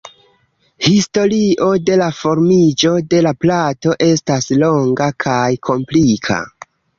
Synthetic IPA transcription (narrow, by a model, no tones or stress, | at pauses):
histo̞ɾiʔo̞de̞lafo̞ɾmid͡ʒo̞de̞laplato̞ʔe̞staslo̞ŋɡakʰajkʰo̞mplikʰa̰